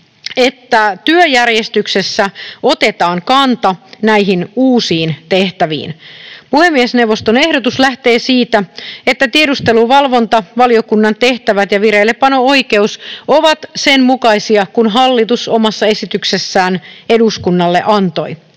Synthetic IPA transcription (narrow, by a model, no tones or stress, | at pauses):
et̪ːæt̪yøjærjest̪yksesːæo̞t̪e̞t̪ɑːŋkɑnt̪ɑnæiɦinuːsiːnt̪e̞ht̪æʋḭːnpuhe̞mːiesne̞wʋːo̞st̪one̞hdot̪uslæht̪e̞ːsiːt̪æet̪ːæt̪iedust̪e̞luʋɑlʋo̞nt̪ɑʋɑlio̞kunːɑnt̪e̞ht̪æʋæt̪jɑʋireilːeppːɑno̞ojke̞uso̞ʋɑt̪se̞nmukɑisiɑkunɦɑlːit̪uso̞mɑsːɑe̞sit̪yksesːæːneduskunːɑlːeʔɑnt̪o̞j